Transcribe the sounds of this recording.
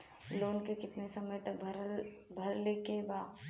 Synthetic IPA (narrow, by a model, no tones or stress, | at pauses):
loːnkekɪt̪nesɐməjt̪ɐk̚bʱɾ | bʱɐɾlekebaː